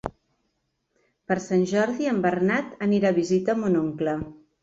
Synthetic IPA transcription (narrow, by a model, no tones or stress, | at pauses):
pəɾsanʲʒɔɾðiəmbərnat̪əniɾaβizit̪əmunoŋklə